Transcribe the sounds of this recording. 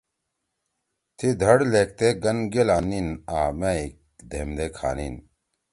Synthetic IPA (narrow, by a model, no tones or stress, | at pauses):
t̪ʰid̪ʱɐɽleːk̚t̪eːɡɐnɡelaːninaːmeik | d̪ʱeːmd̪eːkʰa̰ːnin